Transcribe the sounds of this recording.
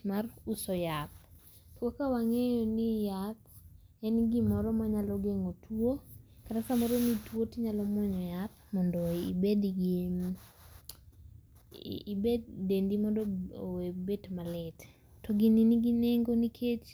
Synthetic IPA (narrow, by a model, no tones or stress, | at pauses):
marusɔjap̚ | twokawaŋejɔnijat̪̚ | ɛnɡimɔɾɔmaɲalɔɡeŋotʰwo | katasamɔɾonitwotiɲalɔmwɔɲɔjat̪̚ | mɔndɔibedɡi | bed̚dendimɔndɔo̰webetmalɛt | tɔɡininiɡineŋɡonikʰet͡ʃ